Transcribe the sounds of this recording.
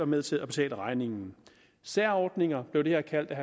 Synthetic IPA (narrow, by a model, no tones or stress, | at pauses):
ɑ̈meðˠt͡sʰe̝læb̥e̝t͡sʰɛ̰ːləʁɑ̈ɪne̝ŋn̩ | sæɐ̰ɒːd̥ne̝ŋɐb̥le̝ʊd̥e̝he̝ɐ̰kʰæl̰d̥æɦ